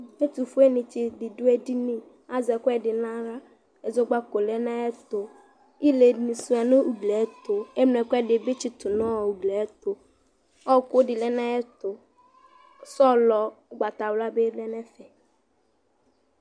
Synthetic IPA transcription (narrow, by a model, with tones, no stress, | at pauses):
e˦tu˨fu˦e˦nɪ˨t͡ʃɪ˨dɪ˨dʊ˦e˦di˦nĩ˦ | a˦zɛ˨kʷɛ˦dɪ˨nã˦ɾa˦ | ɛ˨zʊ˦ɡ͡ba˦ko˨lɛ˦na˦ɛ˦tʊ˨ | i˦le˨ni˨su˨˦a˨nʊ˦u˨ɡlɛ˨˦tʊ˨e˦mn˨ɛ˨kʷɛ˦dɪ˨be˦t͡ʃɪ˨tʊ˨nɔ˦˨u˨ɡlɛ˨ɛ˦tʊ˨ | ɔ˦kʊ˦dɪ˨lɛ˦na˦ɛ˦tʊ˨ | sɔ˦lɔ˨˦ɡ͡ba˨ta˨wla˦be˦lɛ˦nɛ˦fɛ˨